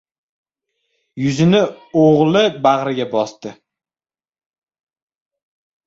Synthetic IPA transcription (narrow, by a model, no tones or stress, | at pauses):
jʊzɪnɪoʁlˠɪbaʁɾɪɡʲabɒst̪ɪ